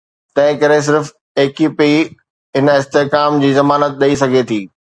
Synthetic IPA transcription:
t̪ɐ̃ɦɪ̃kɐɾes̬ɪɾf | eːkipi | ɦɪnɪst̪eɦkaːmd͡ʑiːzɐmaːnət̪̚ɗɐisɐɡʱet̪ʰiː

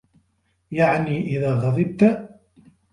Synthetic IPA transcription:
jaʕniːʔɪðaːɣɑðˤɨb̚t̪a

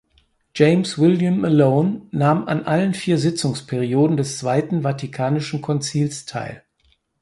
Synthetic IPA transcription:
d͡ʒɛɪmswɪljəməloʊnːaːmʔa̰nʔalənfiːɐzɪt͡sʊŋspʰɛʁ̞ioːdn̩dɛst͡sv̥aɪtn̩vatʰikʰaːnɪʃn̩kʰɔnt͡siːlstʰa̰ɪl

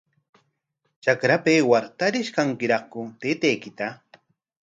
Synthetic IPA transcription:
t͡ʃakɾapeːwaɾt̪aɾɪʃkaŋkɪɾɑχkʊt̪eːt̪ejkɪt̪a

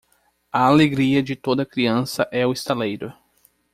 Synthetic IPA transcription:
ɐaleɡɾiɐd͡ʒɪt̪od̪ɐkɾiɐ̃sɐʔɛʊɪst̪alejɾʊ

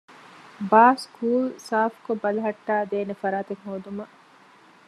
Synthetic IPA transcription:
baːskuːlsaːfkobɐlɐɦɐʈːaːd̪eːnefɐɾaːt̪eŋɦoːd̪umɐ

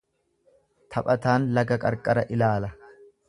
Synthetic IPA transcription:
t̪ʰɐpʼɐt̪aːnlɐɡɐkʼɐɾkʼɐɾɐʔɪlaːlɐ

